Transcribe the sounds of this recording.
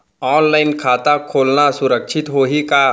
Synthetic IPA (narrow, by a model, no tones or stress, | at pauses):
ɔːnlaːɪnkʰaːt̪akʰoːlnasʊɾəkʃʰɪt̪ɦoːɦikaː